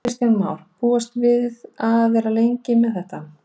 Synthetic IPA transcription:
ɪst̪janmaːwɾ̥puːast̪vɪðaðvɛɾalejɲcɪmɛðθɛht̪a

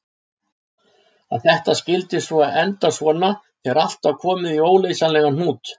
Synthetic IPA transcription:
aθɛht̪ascɪlt̪ɪsvɔaɛnt̪asvɔːna | θɛɾal̥t̪avkʰɔːmɪðioːwlejsanlɛːɣan̥uːt̪

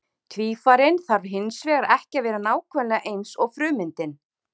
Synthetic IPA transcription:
t̪ʰviːfaːɾɪnθaɾɦɪnsvɛːɣaɾʔɛhcɪavɛːɾɪnaːwkʰvɛnlɛɣaʔejnsɔɣfɾʏːmɪnt̪ɪn

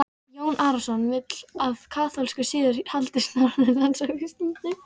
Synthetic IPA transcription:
joːwnʔaːɾasɔnvɪt̪l̥aðkʰaːθɔlskasɪːðɪɾhalt̪ɪst̪naɾnɪlansafɪst̪it̪ɪ

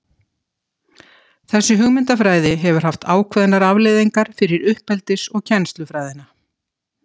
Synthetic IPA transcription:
θɛsːʏɦʏɣmɪnt̪afɾaːjðɪɦɛvʏɾ̥ɦaft̪aːwkʰvɛðɪnaɾavleðiŋkaɾ̥fɪɾɪɾʏhpɛlt̪ɪsɔɣcʰɛnst̪lʏfɾaːjðɪna

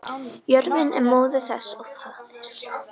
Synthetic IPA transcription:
jœɾðɪnɛ̰ɾmoːwðʏθɛsɔɣfaːðɪɾ̥

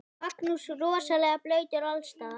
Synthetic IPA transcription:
aknusruɔsalɛɣaplœɥt̪aɾalst̪aː

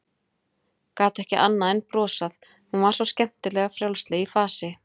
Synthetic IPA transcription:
kaːt̪ɛhcɪʔa̰nːaɛnpɾɔːsaθ | hunvaɾ̥sɔscɛm̥t̪ɪlɛːɣafɾjawlst̪lɛɣifaːsɪ

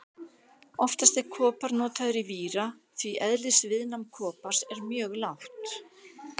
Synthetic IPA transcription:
ɔft̪ast̪ɛɾ̥kʰɔːpaɾnɔːt̪aðʏɾiviːɾa | θviʔɛðlɪsvɪðnamkʰɔːpaɾ̥sɛɾmjœːɣlawht̪

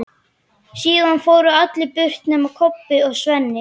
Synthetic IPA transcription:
siːðanfoːwɾʏat̪lɪpʏr̥t̪nɛːmaɾkʰɔpːɪɔɣsvɛnːɪ

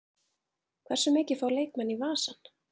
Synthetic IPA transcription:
kʰvɛr̥sʏmɪːcɪfaːwlejk̚mɛnːivaːsan

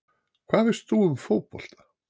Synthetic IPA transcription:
kʰvaːðvɪst̪θuʏmfowpɔ̰l̥t̪ḁ

